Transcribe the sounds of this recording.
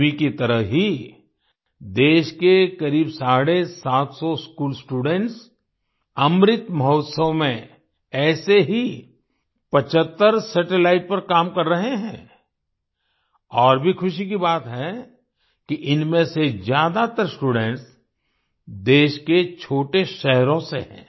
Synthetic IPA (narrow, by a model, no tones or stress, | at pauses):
ikit̪ɐɾəɦɦi | d̪eːʃkekɐɾiːbsaːɽesaːt̪sɔskuːlsʈuːɖɛ̃ɳʈs | ɐmɾɪt̪mɐɦɔːt̪səʋmẽ | ɛːseɦi | pɐt͡ʃət̪ːəɾsəʈelaːɪʈ̚pɐɾkaːmkɐɾːɐɦeɦɛ̰̃ː | ɔːɾbʱixʊʃik̬ibaːt̪ɦɛ | kiʔɪnmẽsezjaːd̪at̪əɾsʈuːɖɛ̃ɳʈs | d̪eːʃket͡ʃʰoːʈeʃɛɦɾõseɦɛ̰̃ː